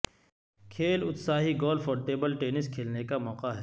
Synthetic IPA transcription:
kʰeːlʊt̪saːɦiɡɔːlfɔːɾʈeːbəlʈeːnɪskʰeːlnekamɔːqaɦɛ

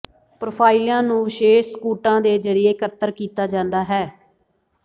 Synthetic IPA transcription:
pɾoːpʰaːɪljãːnũːʋɪʃeːskuːʈãːd̪eːzəɾɪjeːkət̪ːəɾkiːt̪aːd͡ʒãːnd̪aːɦɛː

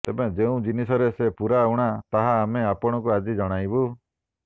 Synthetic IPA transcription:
t̪ebed͡ʒeũd͡ʒinisɔɾesepuɾauɽ̃at̪aɦaːmeapɔɽ̃ɔk̬uad͡ʒid͡ʒɔɽ̃ajbu

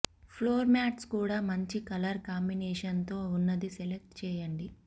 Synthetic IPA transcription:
pʰloːɾmaːʈskuːɽaːmɐɲt͡ʃikɐlɐɾkaːmbinɛːʂɐnt̪o̞ːunːɐd̪isɛlek̚ʈt͡ʃɛːjɐɳɖi

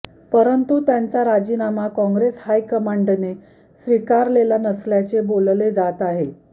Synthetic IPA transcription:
pəɾənt̪ut̪jant͡saɾad͡ʑinamakɔ̃ŋɡɾeshajkəmaɳɖne | sʋikaɾlelanəsljat͡sebolled͡zat̪aɦe

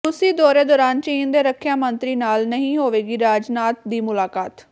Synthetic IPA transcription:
ʊsiːd̪ɔːɾeːd̪ɔːɾaːnt͡ʃəiːnd̪eːɾəkʰːjãːmənt̪ɾiːnaːlnəɦĩːɦoːʋeːɡiːɾaːd͡ʒnaːt̪d̪iːmʊlaːkaːt̪

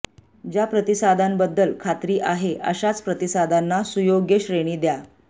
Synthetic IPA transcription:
d͡ʑjapɾət̪isad̪ʱambəd̪ːəlkʰat̪ɾiːʔaɦeʔə̰ɕat͡spɾət̪isad̪ʱanːasujoɡjəɕɾeɽ̃iːd̪ja

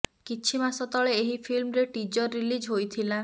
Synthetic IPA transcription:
kit͡ʃʰimasɔt̪ɔɭeːɦipʰilmɾeʈid͡ʒɔɾːilid͡ʒɦojt̪ʰila

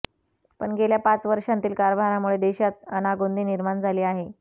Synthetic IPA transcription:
pə̰ɳɡeljapat͡sʋəɾʂãnt̪iːlkaɾbʱaɾamuɭed̪eɕat̪̚ənaɡond̪ʱiːniɾmaɳd͡zʱaliːaɦe

